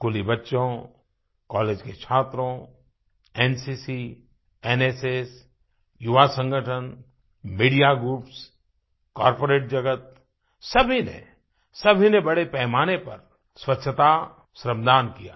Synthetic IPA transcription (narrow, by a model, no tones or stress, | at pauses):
kʊlibɐtːʃõ | kɔːleːd͡ʒket͡ʃʰaːt̪ɾõ | ɛːnsisi | ɛːneːseːs | jʊʋasə̃ŋɡʱəʈʰən | miːɖijaɡɾuːps | kɔːɾpoːɾeːʈ̚d͡ʒɐɡət̪̚ | sɐbʱinḛ | sɐbʱinebɐɽepɛːmaːnepɐɾ | swɐtːʃʰət̪a | sɾəmd̪ʱaːnkija̰ː